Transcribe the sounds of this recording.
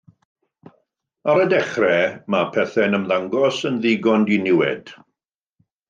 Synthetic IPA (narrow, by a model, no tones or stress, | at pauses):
aɾədɛχrɛmapʰɛθɛnəmðaŋɡɔsənðɪɡɔndinɪwɛ̰d̥